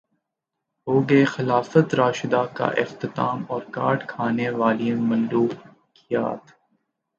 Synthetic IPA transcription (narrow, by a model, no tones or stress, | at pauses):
ɦoːɡexɪlaːfət̪ɾaːʃɪd̪aka̰ʔɪft̪ɪt̪aːmɔːɾkaːʈkʰaːneʋaːliemɐ̃nd̪uː | kija̰ːt̪